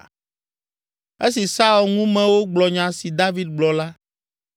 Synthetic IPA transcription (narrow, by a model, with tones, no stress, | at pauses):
e˦si˨sa˦u˨lŋũ˦mɛ̃˨wo˦ɡ͡blɔ˨ɲã˨si˨d̪a˦vi˦d̪̚ɡ͡blɔ˨la˦